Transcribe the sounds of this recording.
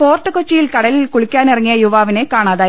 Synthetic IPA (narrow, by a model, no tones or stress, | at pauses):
fo̞ːrʈːɨkot͡ɕːijilkɐɽɐlilkuɭikʲːaːnirɐŋːijɐjuʋaːʋine̞kaːɳaːðaː